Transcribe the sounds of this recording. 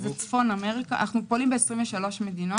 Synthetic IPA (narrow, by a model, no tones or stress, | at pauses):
vet͡sfo̞name̞ʁikaa̰naχnupolimbeesʁĩɱveʃalo̞ʃme̞d̪ino